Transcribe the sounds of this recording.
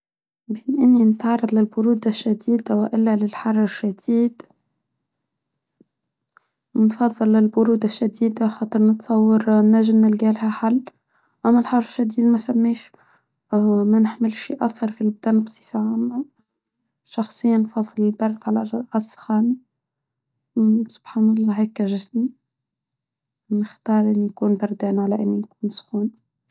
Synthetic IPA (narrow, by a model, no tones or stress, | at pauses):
beːnʔɪnːinɪt̪ʕɑrˤːɑd̪ˤlɪlbʊɾuːd̪aʃːad̪iːd̪awɪʔɪlːalɪlħɑrˤːɪʃːad̪iːd̪ | nfɑðˤːɨlːɪlbʊɾuːd̪aʃːad̪iːd̪axɑːt̪ˤɨɾnɨt̪sˤɑwːɑɾnːaʒɪmnɪlɡaːlhaħalː | ʔamːalħɑrˤːɪʃːad̪iːd̪mafamːeːʃ | manɪħmɪlʃiʔakθɑɾˤfilbd̪æːnbsˤi̥fiʕana | ʃɑxsˤɨjːanfɑðˤːɨlɪlbɑɾˤd̪ʕalaʕɑsˤxɑːni | sʊ̥b̥ħaːnɑlˤːɑːɦeːkːaʒɪsmi | nɪxt̪ɑːɾˤʔɪnːijkuːnbɑɾˤd̪ɛːnʕalaʔɪnːijkuːnsxuːn